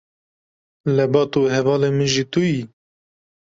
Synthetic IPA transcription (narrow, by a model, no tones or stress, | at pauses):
lɛbɑːt̪uɦɛvɑːlemɨʒit̪uji